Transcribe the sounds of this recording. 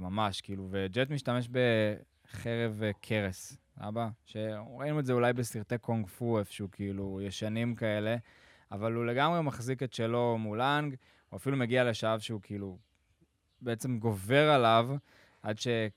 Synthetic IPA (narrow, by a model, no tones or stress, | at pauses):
mamaʃkiiluved͡ʒet̪miʃtame̞ʃbe̞ | χeʁe̞vkʰeʁes | a̰baʃe̞ʁainuetzeulajbesiʁt̪ekʰoŋɡfuefʃeukʰiilujeʃanimkae̞le̞ | avalule̞ɡamʁe̞maχziket̪ʃelo̞mulaŋɡ | oafilumeɡiale̞ʃaavʃeukʰiilu | beet͡se̞mɡo̞ve̞ʁalav | ʔad̪ʃe̞